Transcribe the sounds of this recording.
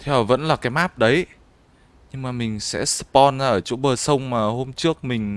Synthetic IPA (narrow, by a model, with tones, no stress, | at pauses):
t̪ʰɛ˧˦wvə̰˧˥nlaː˨˩kaː˨˦jmaː˦˥p̚ɗə˨˦j | ɲɨ˧ŋmaː˨˩mï˨˩ŋ̟sɛ̰˧˥sɨ̥˧pɔ˧nzaː˧ʔəː˧˩t͡ɕo̰˧˥ɓəː˨˩sə˧wŋ͡mmaː˨˩ho˧mt͡ɕɨ˦˥ək̚mï˨˩ŋ̟